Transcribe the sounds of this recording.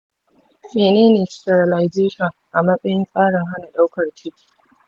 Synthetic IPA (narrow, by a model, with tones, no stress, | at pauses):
meː˨neː˦neː˨stɐ˨rla˨jzeː˦ʃɐ˨ŋʔa˨mɐ˦sʼɐ˦jɪ˦ŋkʼaː˦ɽɐ˨ŋɦa˦na˨ɗa˦wkɐ˨rt͡ʃɪ˦kʲi̥˨